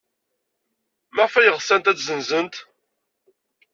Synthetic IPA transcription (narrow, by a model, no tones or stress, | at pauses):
mæfæjəʁsænt̪æt͡szənzənt̪